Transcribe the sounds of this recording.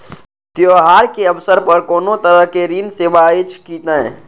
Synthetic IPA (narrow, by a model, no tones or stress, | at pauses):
t̪joɦaːɾkeɐʋsəɾpəɾkoːnõt̪əɾəɦkeɾiːnseːʋaɪt͡ʃkit̪əɛ̃